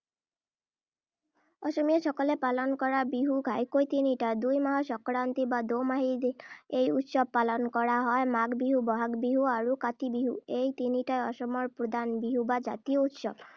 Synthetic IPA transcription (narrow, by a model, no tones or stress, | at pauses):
ɔʃɔmieʃɔkɔlepalɔnɔkɔɾabiɦuɡʱajkojt̪iniʈad̪ujmaɦɔsɔkɾant̪ibad̪omaɦid̪inejut̪ʃɔb̚palɔnɔkɔɾaɦɔemaɡbiɦubɔɦaɡbiɦuaɾukat̪ibiɦuejt̪iniʈaeɔʃɔmɔɾpɾod̪ʱanbiɦubad͡ʒa̰t̪iout̪ʃɔb